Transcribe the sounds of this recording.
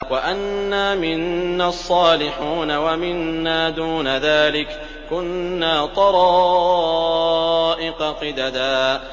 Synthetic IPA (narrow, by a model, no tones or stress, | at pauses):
waʔanːaːmɪnːaːsˤːɑːlɪħuːnawamɪnːaːd̪uːnaðaːlɪk | kʊnːaːt̪ˤɑɾˤɑː | ʔɪqɑqɪd̪ad̪aː